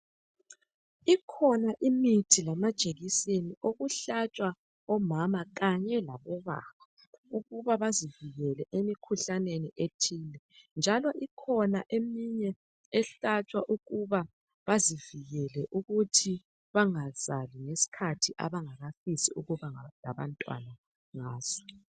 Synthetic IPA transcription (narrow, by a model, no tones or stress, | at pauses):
ikʰɔnaʔimitʰilamat͡ʃʼeɣiseniʔoɣuɬat͡ʃʼwa | ɔmamaɣaɲɛlaβɔβa̰βa | uɣuβaβaziviɣɛlɛʔemikʰuɬaneniʔetʰiːlɛ | nd͡ʒʱalɔʔikʰɔnaʔemiɲɛ | ɛɬat͡ʃʼwaʔuɣuβa | βaziviɣɛlɛʔuɣutʰi | βaŋaz̥aliŋesi̥kʰatʰiʔa̰βaŋaɣafisiuɣuβaŋalaβa̰ntʼwa̰na | ŋaːz̥ɔ